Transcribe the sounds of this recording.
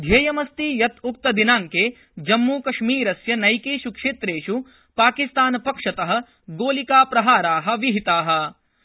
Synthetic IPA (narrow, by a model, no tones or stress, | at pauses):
d̪ʱjeːjɐmɐst̪ijɐt̪ʰuk̚t̪ɐd̪inaːŋke | d͡ʒɐmːuːkɐʂmiːɾɐsjɐnɐjkeːʃukʂeːt̪ɾeːʃu | paːkist̪aːnɐpɐkʂɐt̪ɐɦɐ̆ | ɡoːlikaːpɾɐɦaːɾaːɦɐ̆ʋiɦit̪aːɦɐ̆